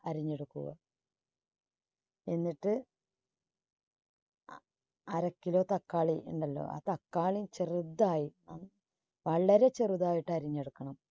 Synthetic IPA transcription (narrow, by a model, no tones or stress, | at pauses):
ɐɾiɲːe̞ɽukːuɣɐ̰ | enːiʈːɨ | ɐɾɐkːilo̞ːt̪ɐkːaːɭiuɳɖɐlːo̞̰ːʔa̰ːt̪ɐkːaːɭit͡ɕerud̪ːaːjina̰ːm | ʋɐɭːɐɾe̞t͡ɕerud̪aːjiʈːɨɐɾiɲːe̞ɽukːɐɳɐm